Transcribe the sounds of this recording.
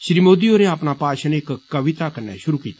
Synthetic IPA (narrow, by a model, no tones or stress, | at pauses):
ʃɾimoːd̪ioːɾeaːpnapaːʃənekkːɐʋɪt̪akɐɾna̰ʃʊɾukiːt̪ḁ